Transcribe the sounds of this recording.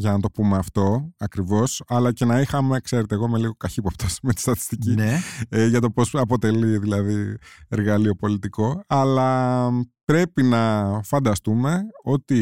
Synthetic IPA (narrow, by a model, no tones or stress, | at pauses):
ʝɐnɐt̪o̞pume̞ɐft̪o̞ɐkɾivo̞sɐlɐce̞nɐixɐmekse̞ɾet̪eɣomeliɣo̞kɐçipopt̪ɐsmet̪i̥st̪ɐt̪i̥st̪ici | ʝɐt̪o̞po̞sɐpo̞t̪e̞liðilɐðieɾɣɐlio̞po̞lit̪iko̞ɐlɐ | pɾe̞pinɐfɐnd̪ɐst̪ume̞o̞t̪i